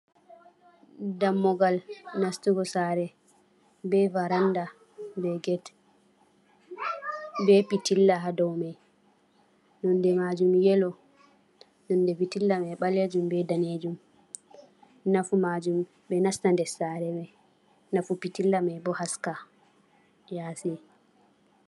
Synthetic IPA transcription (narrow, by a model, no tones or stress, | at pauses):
damːɔɡalnastuɡɔsaɾɛ | bɛvaɾanda | bɛɡɛt | bɛpitilːaɦadɔwmɛj | nɔndɛmad͡ʒumjɛlɔ | nɔndɛpitilːamɛɓaled͡ʒumbɛdaned͡ʒum | nafumad͡ʒum | bɛnastandɛsaɾɛbɛ | nafupitilːamɛbɔhaska | jasi